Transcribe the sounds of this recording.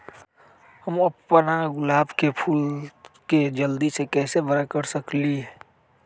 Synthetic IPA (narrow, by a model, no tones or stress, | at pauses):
həməpːənaɡʊlaːbkepʰuːlked͡ʒəld̪isekɛːsebəɾakəɾsəkliɦɛː